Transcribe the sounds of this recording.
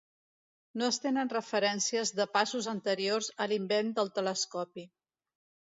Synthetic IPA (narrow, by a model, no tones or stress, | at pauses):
noəst̪enənrəfəɾɛnsiəzðəpasuzənt̪əɾiorzəlimbend̪əlˠt̪ələskɔpi